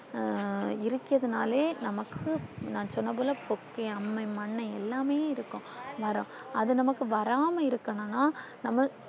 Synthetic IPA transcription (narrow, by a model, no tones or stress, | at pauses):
ɪɾɯkːɪɾɐðɯnaːleːnɐmɐkːɯnãːsɔnːɐp̬oːlɐpɔkːɐɪɐmːɐɪmɐɳːɐɛlːaːmeːɪɾɯkːʊ̃ʋɐɾʊ̃ | ɐðɯnɐmɐkːɯʋɐɾaːmɐɪɾɯkːɐɳɐnːaːnɐmːɐ